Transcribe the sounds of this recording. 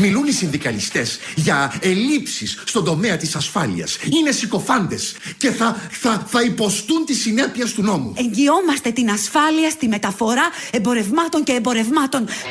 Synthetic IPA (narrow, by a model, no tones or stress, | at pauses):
milunisind̪ikɐlist̪e̞zʝɐelipsisːt̪o̞nd̪o̞meɐt̪isɐsfɐlḭɐ̰sine̞siko̞fɐnd̪e̞sce̞θɐθɐθɐipo̞st̪unt̪isine̞piest̪uno̞mṵe̞ɲɟio̞mɐst̪e̞t̪inɐsfɐliɐst̪imet̪ɐfo̞ɾɐembo̞ɾe̞vmɐt̪o̞ɲce̞ːmbo̞ɾe̞vmɐt̪o̞n